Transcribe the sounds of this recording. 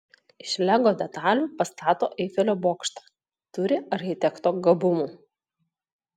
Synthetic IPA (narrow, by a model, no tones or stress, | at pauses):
ɪʃʲlʲæɡoːd̪ʲɛt̪ɑːlʲuːˑpɐst̪ɑːt̪oːʔɛɪfʲɛlʲoːboːkʃt̪ɑ̥ | t̪ʊɾʲɪɐɾʲxʲɪt̪ʲɛkt̪oːɡɐbʊmuː